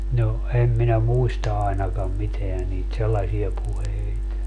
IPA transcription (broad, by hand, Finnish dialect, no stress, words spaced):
no em minæ muistɑ ɑenɑkɑm miteæ niːt selːɑsie puheit